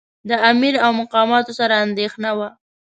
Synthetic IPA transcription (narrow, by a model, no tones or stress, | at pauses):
d̪əamiɾawmʊqɑmɑt̪osaɾaːnd̪exnawa